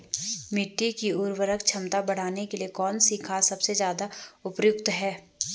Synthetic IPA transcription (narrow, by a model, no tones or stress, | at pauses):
mɪʈːikiʊɾwəɾəkt͡ʃʰɐmt̪abɐɽ̤aːnekeliekɔːnsiːkʰasɐbsezjaːd̪aʊpjʊkt̪ɦɛː